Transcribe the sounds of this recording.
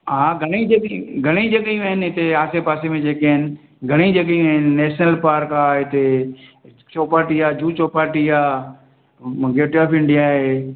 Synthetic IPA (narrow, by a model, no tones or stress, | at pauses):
ɦaːɡʱɐɽ̃id͡ʒkɡʱɐɽ̃id͡ʒɐɠəjũaːɦɪnɪɪt̪eaːsepaːsemẽd͡ʑeːkeɦɪnɪ̆ | ɡʱɐɽ̃id͡ʑɐɡəjũaːɦɪnɪneːʃnəlpaːɾkaːɪt̪e | t͡ʃoːpaːɾʈiaːd͡ʒuːt͡ɕoːpaːɾʈiaː | ɡeːʈjaːpʰɪ̃ɳɖijaɦeː